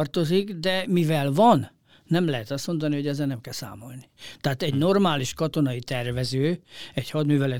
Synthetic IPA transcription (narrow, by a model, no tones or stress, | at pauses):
rt̪o̞zikd̪ɛmivɛlvɒnː | ɛmlɛɦɛt̪ɒst̪mo̞nd̪ɒniɦo̞ɟɛzɛnɛmkɛlsa̰ːmo̞lnit̪aːt̪ɛɟno̞rmaːliʃkɒt̪o̞nɒit̪ɛrvɛzøːɛchɒd̪myːvɛlɛ